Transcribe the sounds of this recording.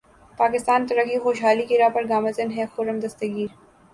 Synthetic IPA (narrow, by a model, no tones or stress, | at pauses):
paːkɪst̪aːnt̪ɐɾɐkːixoːʃɦaːlikiɾaːpɐɾɡaːmɐzɪnɦɛxʊɾəmd̪ɐst̪əɡiːɾ